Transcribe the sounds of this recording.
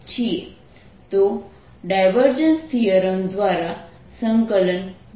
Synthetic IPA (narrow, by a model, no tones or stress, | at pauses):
t͡ɕie | t̪o | ɖajʋəɾd͡ʑənst̪ʰijəɾəmd̪ʋaɾa | səŋkələn